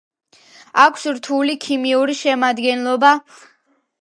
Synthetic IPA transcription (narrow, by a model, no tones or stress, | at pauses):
akʷʰsɾt̪ʰulikʰimiuɾiʃɛmad̪ɡɛnlˠɔba